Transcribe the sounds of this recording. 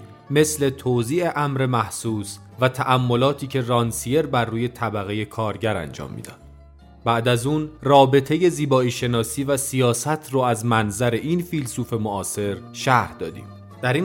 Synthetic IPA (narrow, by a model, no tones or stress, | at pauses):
me̞sle̞t̪ʰoːziːʔe̞ʔæmɾe̞mæhsuːs | væt̪ʰæʔæmːo̞lɒːt̪ʰiːcʰe̞rɒːnsije̞ɾbærːuːje̞t̪ʰæbæɣeje̞kʰɒːɾɟæɾæ̰nd͡ʒɒ̰ːmːḭːd̪ɒ̰ːd̪̥̚ | bæʔd̪æzuːnrɒːbe̞t̪ʰe̞je̞ziːbɒːiːʃe̞nɒːsiːvæsijɒːsæt̪ʰroæzmænzæɾe̞ʔiːnfilsuːfe̞moʔɒːse̞ɾʃæhd̪ɒ̰ːd̪ḭːm | d̪̥æɾiː